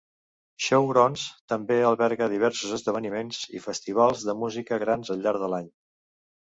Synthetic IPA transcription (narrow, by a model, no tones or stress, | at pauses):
ʃəwɾɔnst̪əmbeəlˠβɛɾɣəðiβɛɾsuzəzðəβ̞ənimenz̥ḭfəst̪iβ̞alˠzðəmuzikəɣɾanzəʎʎːaɾðəlaɲ